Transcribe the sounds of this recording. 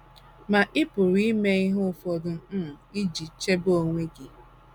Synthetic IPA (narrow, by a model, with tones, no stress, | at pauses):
ma˨ʔɪ˦pʊ˨ɾi˦me˦i˦ɦʊ˦˨fɔ˨dʊ˨˦˨i˦d͡ʒi˨t͡ʃe˦bo˦ŋʷe˦ɡi˨